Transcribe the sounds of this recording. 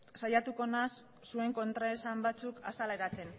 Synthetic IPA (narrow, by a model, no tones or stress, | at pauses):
sajat̪uko̞nas | sue̞ŋko̞nt̪ɾaesambat͡sukasaleɾat͡se̞n